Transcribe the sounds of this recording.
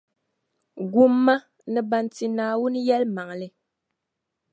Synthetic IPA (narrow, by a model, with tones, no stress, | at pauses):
ɡu˦mːa˦ | nɨ˨ba˨nti˨naː˨wu˦n˦jɛ˦lma˨ŋ˨lɨ˦